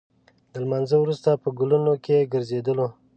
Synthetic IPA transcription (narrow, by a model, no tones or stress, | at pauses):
d̪əlmanzəwɾust̪apəɡulunokeɡəɾzed̪əlo